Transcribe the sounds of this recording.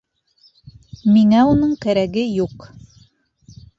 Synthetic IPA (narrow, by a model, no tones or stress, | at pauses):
miŋæunɤɴkæɾæɡɘjuq